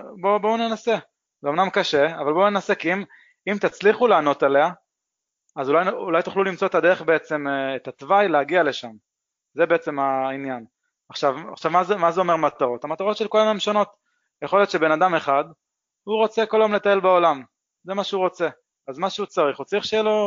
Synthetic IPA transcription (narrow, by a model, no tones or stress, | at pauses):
bo̞bounenase̞ | zeo̞mnamkaʃe̞avalbo̞unenasekiim | imt̪at͡sliχuleaːno̞t̪ele̞a | azulajulajt̪uχlulimt͡so̞etadeeχbeet͡se̞mːt̪at̪vajleaɡiale̞ʃam | zebe̞et͡se̞mainjan | aχʃavaχʃavmazemazeo̞me̞mat̪aʁo̞t̪amat̪aʁo̞t̪ʃelkolajomemʃono̞t̪ | jeχoljo̞t̪ʃebenad̪ame̞χad̪ | huʁo̞t͡seko̞lajomle̞t̪ae̞lbaolam | zemaʃeuʁo̞t͡se̞ | azmaʃeut͡saʁiχut͡saʁiχʃejɛlo̞